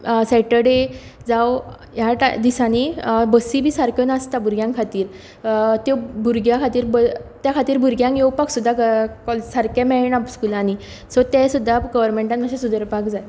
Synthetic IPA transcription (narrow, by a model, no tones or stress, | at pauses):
sɛʈəɖed͡zaw | jaʈa̰d̪isanebəsibʱiːsaɾkjonast̪abʱuɾɡjãŋkʰat̪iːɾ | t̪ebʱuɾɡjãkʰat̪iːɾbət̪jakʰat̪iːɾbʱuɾɡjãŋkjewpaksud̪ʱːaəkɔlsaɾkãmɛɭnapskulani | sɔt̪ɛ̃sud̪ʱːaɡəʋəɾmẽɳʈãnəɕẽsud̪əɾpakd͡zaj